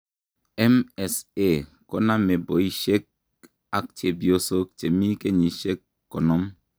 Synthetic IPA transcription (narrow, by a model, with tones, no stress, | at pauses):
ɛ˦mɛ˨se˦˨ | ko˦na˦me˨bo˨i˦ʃe˦k̚ | a˦k̚t͡ʃe˨bi˨o˦so˦k̚t͡ʃe˨mi˦ke˦ɲi˨ʃe˦kːo˨nɔ˦m